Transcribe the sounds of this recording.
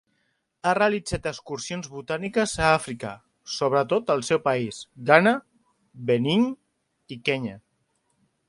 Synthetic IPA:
areəlid͡zat̪əkskuɾsionzβut̪anikəzaafɾikə̰ | soβ̞ɾət̪ot̪əlˠsɛwpaisɡanə | βəniɲ | ikɛɲə

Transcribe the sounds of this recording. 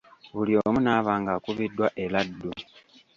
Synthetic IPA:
βulio̞munaːβaːŋɡakuβidːwaʔeladːu

